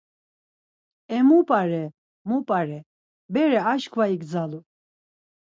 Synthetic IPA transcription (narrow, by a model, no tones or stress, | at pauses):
ɛmupʼaɾɛ | mupʼaɾɛ | bɛɾɛaʃkʰvaiɡd͡zalu